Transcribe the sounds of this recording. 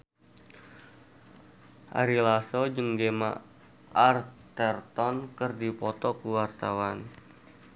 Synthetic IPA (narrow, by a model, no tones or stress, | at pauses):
ʔa̰ɾilasɔd͡ʒəŋɡema̰ | ʔart̪ɛrt̪ɔnkərdipɔt̪ɔkuwart̪awan